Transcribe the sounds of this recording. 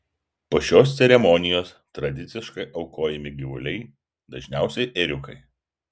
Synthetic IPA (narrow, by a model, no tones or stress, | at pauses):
poːʃʲoːst̪sʲɛɾʲɛmɔnʲɪjoːs | t̪ɾɐd̪ʲɪt̪sʲɪʃkɐɪʔɒʊkoːjɛmʲɪɡʲɪʋʊlʲɛɪ | d̪ɐʒʲnʲæˑʊsʲɛɪʔɛɾʲʊkɐɪ